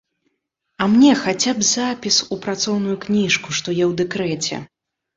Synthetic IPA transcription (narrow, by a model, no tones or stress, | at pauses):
ɐmnʲɛxat͡sʲapzapʲisupɾat̪sɔwnujuknʲiʂkuʂt̪ɔjɛwd̪ɛkɾɛt͡sʲɛ̰